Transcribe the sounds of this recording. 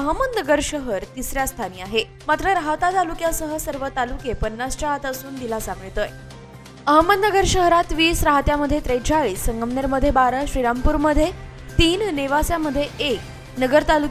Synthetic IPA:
əɦəməd̪nəɡəɾɕəɦəɾt̪isɾjast̪ʰaniːaɦe | mat̪ɾəɾaɦət̪at̪alukjasəɦəsəɾʋət̪alukepənːast͡ɕaɦat̪əsuːnd̪ilasãŋɡɭit̪əːj | əɦəməd̪nəɡəɾɕəɦɾat̪ʋiːsɾaɦət̪jaməd̪ʱjet̪ɾed͡ʑaɭiːsːəŋɡəmneɾməd̪ʱjebaɾəɕɾiɾampuːɾməd̪ʱːje | t̪iːnneʋasjaməd̪ʱːjeek̚ | nəɡəɾt̪aluk

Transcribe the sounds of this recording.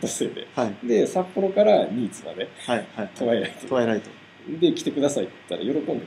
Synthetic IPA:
t̪ːased̪e̞̰haid̪e̞sapːo̞ɾo̞kaɾaɲ̟iːt͡sɨma̰d̪e̞hajait̪o̞βaeɾai̥t̪otoaeɾait̪o | d̪e̞kʲi̥t̪e̞kɯ̟d̪asait̪t̪ːa̰ɾa̰jo̞ɾo̞ko̞nd̪e

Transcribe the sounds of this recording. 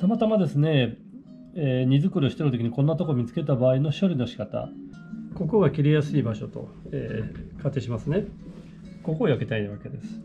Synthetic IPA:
t̪amat̪amad̪e̞sɨne̞ | eɲ̟izɨkɯ̟ɾɯɕi̥t̪e̞nɯ̟t̪o̞kʲiɲ̟ikõ̞nːat̪o̞komʲit͡sɨ̥ke̞t̪̬abaːino̞ɕo̞ɾʲino̞ɕi̥kat̪a̰ | ko̞ko̞ɡakʲiɾʲijasɨiːbaɕo̞t̪o̞̰ | eːkat̪ːe̞ːɕimasɨne̞ | ko̞ko̞ːjake̞t̪ainaβake̞d̪e̞sɨ̥

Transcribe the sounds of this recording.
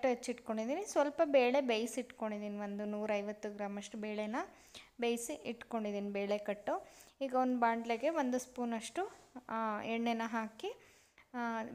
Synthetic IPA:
ʈːuɦet͡ʃːiʈko̞ɳɖid̪iːnisʋɐlpɐbeːɭebejsiʈko̞ɳɖid̪iːniʋond̪unuːɾɐjʋɐt̪ːuɡɾaːmɐʂʈubeːɭenɐ | bejsiiʈko̞ɳɖid̪iːnibeːɭekɐʈːuiːɡɐond̪baːɳɖleɡe̞ʋond̪uspuːnɐʂʈu | ɛɳːenːɐɦaːki

